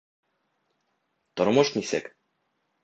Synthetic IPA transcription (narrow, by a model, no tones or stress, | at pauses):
t̪ɒɾmɤʃnisɘ̰k